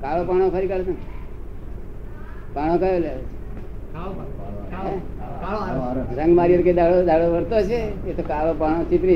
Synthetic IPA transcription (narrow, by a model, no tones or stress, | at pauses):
kaɭopaɽ̃okʰəɾikaɭot̪on | paɽ̃okajoleaot͡ʃʰe̥ | ɦe | ɾəŋɡmaɾijəɾked̪aɭod̪ʱaɭoʋəɾt̪ot͡ʃʰeet̪okaɭopaɽ̃ot͡ʃip̪ɾi